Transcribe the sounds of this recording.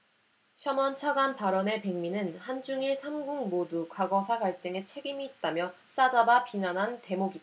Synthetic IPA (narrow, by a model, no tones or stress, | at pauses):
ɕʰjʌmʌnt͡ɕʰaɡanpaɾʌne̞pe̞ŋminɯnhand͡ʑuŋiɭsʰamɡuŋmodukwaɡʌsʰaɡaɭt͈ɯŋe̞t͡ɕʰe̞ɡimiːt̚t͈amjʌ | s͈ad͡ʑabapinanɦante̞moɡid